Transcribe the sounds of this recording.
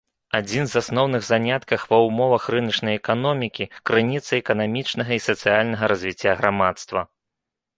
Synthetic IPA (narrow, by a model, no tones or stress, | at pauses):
ad͡zʲinzasnɔwnɨɣzanʲat̪kɐxvɐwmɔvɐxrɨnɐt͡ʂnɐjɛkanɔmʲikʲikɾɨnʲit̪sɐɛkɐnamʲit͡ʂnɐɣɐisɐt̪sɨjalʲnɐɣɐɾɐzʲvʲit͡sʲːaɣɾamat̪st̪vɐ